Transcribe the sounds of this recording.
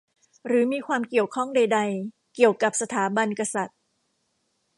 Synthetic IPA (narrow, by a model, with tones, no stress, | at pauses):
ɾɯː˩˦miː˧kʰwaː˧mki˨˩əwkʰɔ˥˩ŋda˧jda˧j | ki˨˩əwka˨˩p̚sa˧t̪ʰaː˩˦ba˧nka˧sa˨˩t̪̚